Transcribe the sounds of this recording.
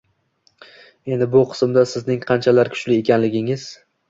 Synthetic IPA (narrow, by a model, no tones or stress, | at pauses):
e̞nd̪ɪbʊqʰɨ̥smd̪asɪznɪŋqʰɑnt͡ʃʰalaɾkʲʰʊ̥t͡ʃlɪe̞kʲʰanlɪɡʲɪŋɪz̥